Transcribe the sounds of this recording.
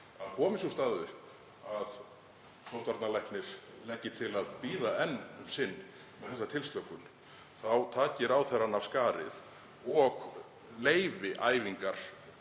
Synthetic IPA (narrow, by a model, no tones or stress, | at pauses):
aðkʰɔːmɪsust̪aːðvʏ | að | sowht̪vaɾt̪nalɛjhknɪɾ̥ | lɛcːɪt̪ʰɪlaðpiːðaɛnːʏmsɪnː | ɛθɛs̬at̪ʰɪlst̪lœkʏn | θawt̪ʰaːcɪɾawθɛɾanav̥skaːɾɪ̰ð | ɔɣ | leːjvɪʔa̰ːjviŋkaɾ̥